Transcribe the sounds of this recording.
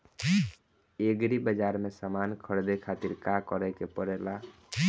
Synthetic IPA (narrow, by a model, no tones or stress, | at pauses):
eɡɾibəd͡ʒaɾmesamankʰəɽd̪ekʰat̪iɾkakəɾɛkepəɾɛla